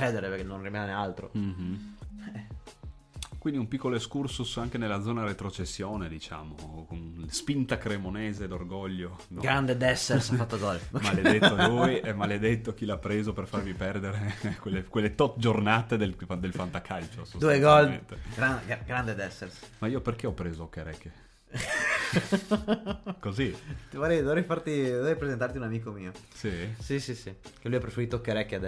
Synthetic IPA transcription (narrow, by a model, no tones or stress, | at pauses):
t͡ʃɛːd̪eɾepeɾkenːonrimaːnenealt̪ɾo̰m̩ | kwind̪iumpikːoloeskursusaŋk̟enelːad̪zɔːnaɾet̪ɾot͡ʃesːjoːned̪it͡ʃa̰ːmokonspint̪akɾemoneːzed̪orɡɔʎːo | d̪ɡɾand̪ed̪ɛsːeɾsafat̪ːoɡɔlmalled̪et̪ːolujemaled̪et̪ːok̟ilapːɾeːzoperfarvipɛrd̪eɾekwelːekwelːet̪ɔt̪d͡ʒornat̪ed̪ed̪elfant̪akʰalt͡ʃosod̪ueɡɔlmḛnt̪eɡɾaɡɡɾand̪ed̪ɛsːersmaiːoperkeɔpːɾeːzokːeɾɛ̰kːe | kozit̪voɾɛjd̪ovɾɛjfart̪id̪ovɾɛjpɾezent̪art̪iunamiːkomiːosisisisikelujapːɾefeɾiːt̪okːeɾɛkːad̪ɛ